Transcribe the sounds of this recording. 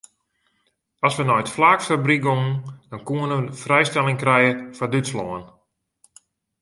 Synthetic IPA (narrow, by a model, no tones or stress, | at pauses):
ɔsʋənɔjtflaːkfabriɡomn̩d̥ɔnkuənəfrɛjstɛlˠɪŋkrɛjəfɔdytsloən